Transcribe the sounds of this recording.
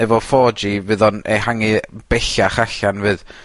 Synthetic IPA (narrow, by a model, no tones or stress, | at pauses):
ɛvɔfɔːd͡ʒivɨðɔnehaŋib̥ɛɬaχaɬanvɨːð